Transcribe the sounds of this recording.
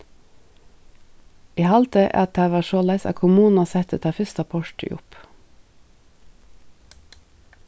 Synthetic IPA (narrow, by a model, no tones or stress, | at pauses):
iːhɑlt̪ʰəʔæ̰ːɑt̪̚d̪æːʋɑːʃoːlæɪsɑ̰kʰʊmuːn̩ɑsɛt̪ʰət̪ʰɑːfʏst̪ɑpʰɔʃʈɪ̰ʔʊ̰p